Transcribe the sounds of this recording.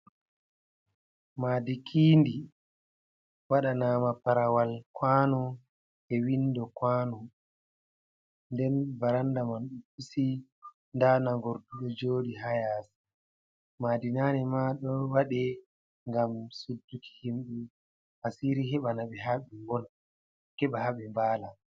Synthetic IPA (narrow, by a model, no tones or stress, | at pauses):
maːdikʰiːndi | waɗanaːmapaɾawalkwaːnɔ | ɛwindɔkwaːnɔ | ndɛnbaɾandamanɗupisi | ndanaŋɡoɾduɗɔd͡ʒoːdiɦajas | madinaːnɛmaɗɔwaɗɛ | ŋɡamsudːuki̥himɗu | hasiɾiɦɛɓanaɓɛɦaɓɛŋbɔn | kɛɓahaɓɛmbaːla